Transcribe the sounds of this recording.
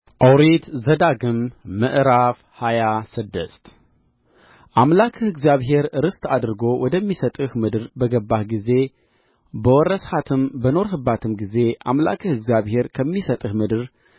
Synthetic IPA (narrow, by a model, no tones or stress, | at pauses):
ʔawɾit̪zɐd̪aɡɨmːɨʔɾaf | hajasɨd̪ːɐst̪ | ʔamlakʰɨhɨɡziaβɦe̞ɾɾɨst̪ʰad̪ɾɨɡo̞wɔd̪ɐmːisɐt̪ʼɨhmɨd̪ɾbəɡɐbːahɡize̞ | bəwɔɾɐshat̪ʰɨmbɐno̞ɾɦɨbat̪ʰɨmɡize̞ʔamla̰kʰɨhɨɡziaβhe̞ɾkʰɐmːisɐt̪ʼɨhmɨd̪ɨɾ